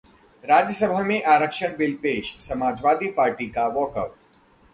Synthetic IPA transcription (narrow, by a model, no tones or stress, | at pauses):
ɾaːd͡ʒjəsəbʱamẽʔaːɾəkʃəɽ̃bɪlpeːʃsɐmaːd͡ʒʋaːd̪ʱipaːɾʈikaʋɔːkəʈ